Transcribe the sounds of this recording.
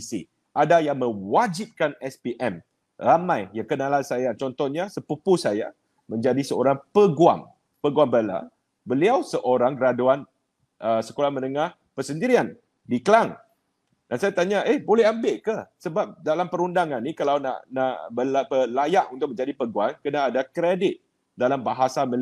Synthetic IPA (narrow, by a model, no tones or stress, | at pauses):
isḭ | ʔadajaŋmə̃wad͡ʒip̚kanɛspiʔɛm | ramãjjakənalasajat͡ʃɔnt̪ɔɲasəpupusaja̰ | mə̃ɲd͡ʒadisəo̰ɾaŋpəɡua̰ŋ | pəɡuaŋbəla̰ | bəliawsəʔoɾaŋɾaduan | ʔəsəkolamə̃nəŋah | pəsəndiɾian | dikəlaŋ | dansajat̪aɲaʔehbolɛɦambɪʔkəsəbap̚dalampəɾundaŋanːĩkalawna̰ʔnaʔbəlapəlajaʔunt̪ʊk̚əɲd͡ʒadipəɡuankənaːdakɾedɪt̪̚ | dalambaɦasamə